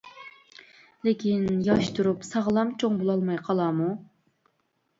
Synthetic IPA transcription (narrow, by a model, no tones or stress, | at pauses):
lɪkʲʰinjɑʃt̪ʰuɾupsɑʁlˠɑmt͡ʃʰoŋbolˠɑlˠmɑjqʰɑlˠɑmu